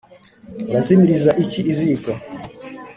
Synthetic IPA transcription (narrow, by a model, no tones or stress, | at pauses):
lazimilizaʔit͡ʃiːzika